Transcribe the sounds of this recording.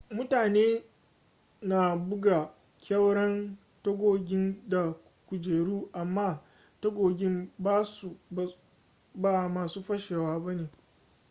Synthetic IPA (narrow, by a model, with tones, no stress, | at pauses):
mʊ˦taː˨neː˦ | naː˨bʊ˦ɡa˨ | kʲɐ˦wɽɐ˦n | tɐ˦ɡʷoː˨ɡʲɪ˦nda˨ | kʷʊ˨d͡ʒeː˨ɽuː˦ʔa˨mːaː˦ | tɐ˦ɡʷoː˨ɡʲɪ˦mbaː˦su˨ | baː˨maː˨suː˦ɸɐ˦ʃeː˨waː˦bɐ˦neː˨